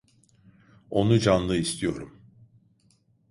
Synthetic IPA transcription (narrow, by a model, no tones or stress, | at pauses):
o̞nud͡ʒanlˠɯist̪ʰijo̞̰ɾum